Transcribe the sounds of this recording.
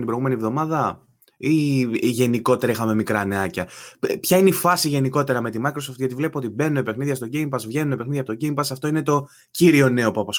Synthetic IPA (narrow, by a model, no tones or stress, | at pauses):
t̪ibɾɣume̞nivðo̞mɐðɐ | iʝe̞niko̞t̪e̞ɾɐixɐme̞mikɾɐne̞ɐcɐpçɐineifɐsiʝe̞niko̞t̪e̞ɾɐme̞t̪imɐjkɾo̞soft̪ʝɐt̪ivle̞puo̞t̪ibe̞nunoipe̞xniðʝɐst̪o̞ɟeimpɐsvʝe̞nunope̞xniðijɐpot̪oɟejmpɐsɐft̪o̞ine̞t̪o̞ | ciɾio̞ne̞o̞pɐpɐs